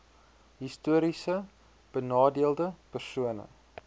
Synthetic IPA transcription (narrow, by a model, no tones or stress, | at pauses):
ɦistuəɾisə | b̥ənɑːdiəlˠdəpərsuənə̰